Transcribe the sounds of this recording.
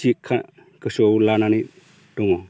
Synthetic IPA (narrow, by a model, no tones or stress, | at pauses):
ikʰa | kəsoulanani | doŋo